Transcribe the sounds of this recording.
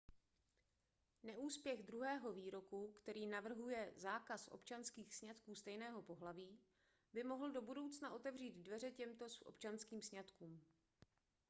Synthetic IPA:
nɛʔuːspjɛɣd̪ɾuɦɛːɦo̞viːɾo̞kukt̪ɛɾiːnavr̩ɦujɛzaːkasʔo̞̰pt͡ʃanskiːxsɲat̪kuːst̪ɛjnɛːɦo̞po̞ɦlaviː | bɪmo̞ɦl̩do̞budo̞wt͡snaʔo̞t̪ɛvriːd̪dvɛrɛcɛmt̪o̞sʔo̞̰pt͡ʃanskiːmsɲat̪kuːm

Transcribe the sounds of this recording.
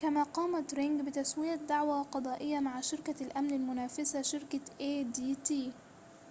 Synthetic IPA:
kamaːqɑːmat̪ɾɪŋɡbɪt̪aswɪjad̪aʕwaqɑd̪ˤɑːʔɪjːamaʕʃɪɾkalʔamnalmʊnaːfɪsaʃɪɾkaʔeːd̪iːt̪iː

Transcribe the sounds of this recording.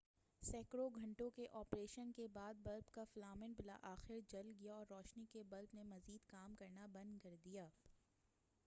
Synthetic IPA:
sɛːkɾoɡʱɐ̃ɳʈõkeʔɔːpɾeːʃənkebaːd̪̚bɐlbkaflaːmɪnbɪla̰ʔaːxɪɾd͡ʒɐlɡijaɔːɾːɔːʃnikebɐlbnemɐziːd̪kaːmkɐɾnabɐ̃nd̪kɐɾd̪ijaː

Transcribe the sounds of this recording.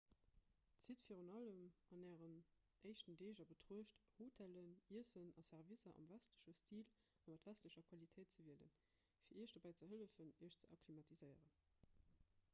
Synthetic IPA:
t͡sitfiːʁunɑləmɑnæːʁən | ʔəɪʃtəndeːʑɐbətʁuəʃthoːtʰæləniəsənɑsæʁvizɐʔɑ̰mvæstləɕəstiːl | ɑmɑtvæstləɕɐkʰwɑlitʰəɪt̚t͡səviələ̰n | fiːɐiəʃd̥obæɪt͡səɦələfəniəʃt͡səɑkʰlimɑtʰizəɪəʁən

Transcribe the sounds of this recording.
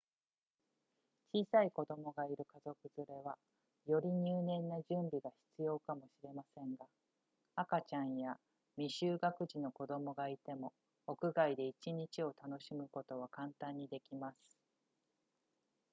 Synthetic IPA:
t͡ɕiːsaiko̞d̪o̞mo̞ɡaiɾɯ̟kazo̞kɯ̟z̥ɨɾe̞βa | jo̞ɾʲiɲ̟ɨːnẽ̞nːaʑɨ̃mbʲiɡaçi̥t͡sɨjo̞ːkamo̞ɕiɾe̞masẽ̞ŋɡa | akat͡ɕãɰ̃ja | mʲiɕɨːɡakɯ̟ʑino̞ko̞d̪o̞mo̞ɡait̪e̞mo̞ | okɯ̟ɡaid̪e̞it͡ɕiɲ̟it͡ɕio̞t̪ano̞ɕimɯ̟ko̞t̪o̞βakãnt̪ãɲ̟ːid̪e̞kʲimasɨ̥

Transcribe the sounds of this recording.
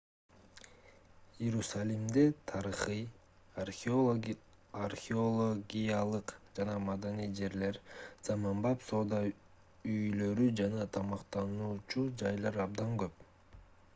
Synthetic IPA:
jeɾusalʲimd̪et̪ʰɑɾɯχɯj | arxʲɪolˠoɡʲijalˠɯqd͡ʒɑnɑmad̪anijd͡ʒe̞ɾle̞ɾz̥ɑmɑmbɑjpso̞ːd̪ɑ | yjlø̞ɾyd͡ʒɑnɑt̪ʰɑmɑqt̪ɑnuːt͡ʃud͡ʒɑjlˠɑɾɑbd̪ɑŋɡø̞p̚

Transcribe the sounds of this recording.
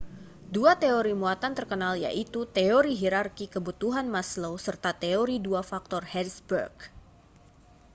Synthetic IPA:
duat̪eoɾimuat̪ant̪ərkənalja̰ʔit̪ut̪eoɾiɦiɾarkikəbut̪uɦanmaslowsərt̪at̪eoɾiduafak̚t̪ɔrhɛdsbə̰rɡ

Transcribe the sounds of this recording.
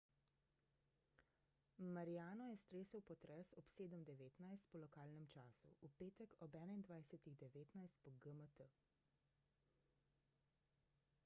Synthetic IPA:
maɾijaːnɔjɛst̪ɾeːsəwpɔt̪ɾɛsɔpseːd̪əmd̪ɛʋeːt̪najst̪̚pɔlɔkaːlnɛmt͡ʃaːsṵupeːt̪ɛkɔbɛːnaind̪ʋajsɛt̪iɣd̪ɛʋeːt̪najst̪̚pɔɡəmət̪ə

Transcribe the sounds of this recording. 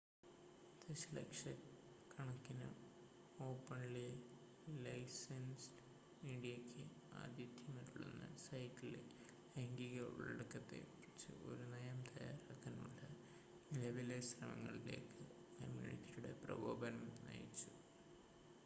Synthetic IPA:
d̪eslɐ̰kʂɐ | kʰːɐɳɐkːinɨ | o̞ːpːɐnli | lɐjsɐns | iɳɖijɐkʲʰːɨ | a̰ːd̪jɐd̪ʱjɐmɐʈːuɭːḛnːɨ̰sɐjtːile | eŋɡiɣɐʋɭḛɽukːɐt̪ːe̞̰pit͡ɕːɨ̰ʔo̞̰ɾunɐjɐmt̪ʰɐjaːɾaːkːanːṵɭːɐ | nilɐʋilesrɐmɐ̰ŋːɐɭileːkːɨ | kɐmjṵnḭʈːijuɽe̞̰prɐ̰bʱoːbɐnɐmnɐ̰jit͡ɕːu̥

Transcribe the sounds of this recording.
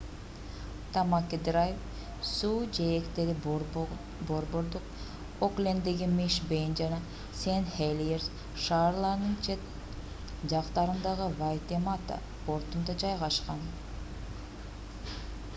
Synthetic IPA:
t̪ɑmakʲid̪ɾajf | suːd͡ʒeekt̪eɾi | boɾbo̞ɾd̪uq̚ | oklʲend̪eɡimiʃbejnd͡ʒɑnɑ | senhelʲjeɾs | ʃɑːɾlˠɑɾnɯnt͡ʃ | d͡ʒɑqt̪ɑɾɯnd̪ɑʁɯvajt̪emat̪a̰ | po̞ɾt̪und̪ɑd͡ʒɑjʁɑʃqɑn

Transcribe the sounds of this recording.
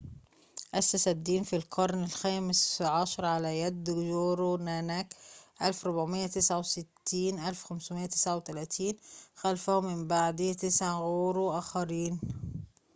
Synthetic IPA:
ʔæsːæsæd̪ːiːnfilqʰɑɾˤnɪlxæːmɪsʕɑʃɑɾˤʕalæjæd̪ːjoːɾonæːnækʔælfɾʊbʕmɪjːæt̪ɪsʕawsɪt̪ːiːnʔælfxæmsʊmɪjːæt̪ɪ̥sʕawt̪ælæːt̪ʰiːnxælfæhʊmːɪmbaʕd̪it̪ɪsʕaɣoːɾuʔæːxæɾiːn

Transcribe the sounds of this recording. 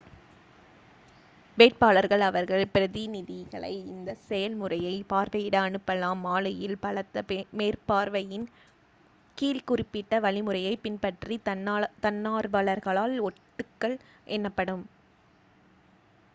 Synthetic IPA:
beːʈ̚paːlɐɾɣɐɭɐʋɐɾɣɐɭpɪɾɐðinɪðɪɣɐɭɐ̰ɪɪnd̪ɐsɛjɐlmɯrɐjɐɪpaːɾʋɐjɪɽɐːnɯpːɐlaːmːaːlɐjɪlpɐɭɐt̪ːɐpmeːɾpaːɾʋɐjɪn | kiːlkʊrɪpːɪʈːɐʋɐɭɪmɯɾɐjɐɪpɪnpɐʈrit̪ɐnːaːɾʋɐɭɐɾɣɐɭaːlɔʈːɯkːɐɭ | ʔɛnːɐpːɐɽɯm

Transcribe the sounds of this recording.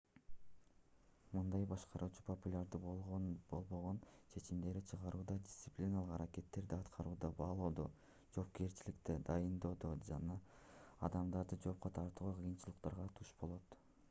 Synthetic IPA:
mɯnd̪ɑjbɑʃqɑɾʔuːt͡ʃu̥pʰo̞pulʲaɾd̪ɯboʁonbo̞lˠbo̞ʁo̞nt͡ʃʰe̞t͡ʃimd̪e̞ɾit͡ʃʰɯʁɑɾuːd̪ɑdʲɪ̥st̪sɨplʲinalˠɯqɑɾake̞t̪ːe̞ɾd̪iɑt̪qʰɑɾuːd̪ɑbɑːlˠoːd̪o̞ | d͡ʒo̞ːp̚ke̞ɾt͡ʃilikt̪ed̪ɑjɯnd̪o̞ːd̪od͡ʒɑnɑː | d̪ɑmd̪ɑɾd̪ɯd͡ʒo̞ːp̚qot̪ʰɑɾt̪uʁuqʰɯjɯnt͡ʃɯlˠɯqt̪ɑɾʁɑt̪ʰuʃbo̞lˠo̞t̪

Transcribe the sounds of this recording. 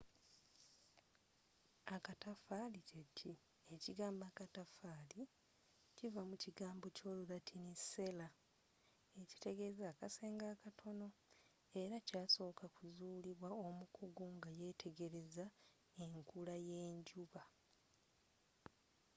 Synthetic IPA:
akatafalicecʰi | eciɡaːmbaːkatafaːli | civamuciɡaːmbo̞co̞ːlulatʰinise̞la | e̞ci̥te̞ɡe̞zaːkaseːŋɡaːkatʰo̞no̞ | e̞ɾacaːso̞ːkakuzuːliβwao̞mukʰuɡoŋɡaje̞ːtʰe̞ɡe̞ɾe̞za | e̞ŋkulaje̞ːɲɟuβa

